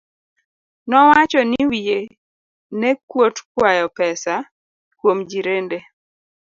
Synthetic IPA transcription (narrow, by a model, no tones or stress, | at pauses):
nɔwat͡ʃɔnɪwije | nekwotkwajɔpɛsa | kwomd͡ʒiɾende